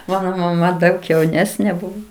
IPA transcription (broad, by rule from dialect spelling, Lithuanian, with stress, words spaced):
ˈmɑːnoː mɐˈmɐ ˈdɐʊk jɛʊˈnʲæːsʲnʲeː ˈbʊʋoː